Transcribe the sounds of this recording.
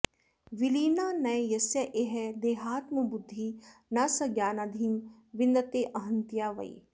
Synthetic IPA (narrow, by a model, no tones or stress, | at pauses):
ʋiliːnaːnɐjjɐsjɐʔeɦɛd̪eːɦaːt̪mɐbʊd̪ʱːinɐsɐɡjaːnad̪ʱin | ʋɪnd̪ɐt̪eːʔɐɦɐnt̪ijaːʋɐ̰ḭ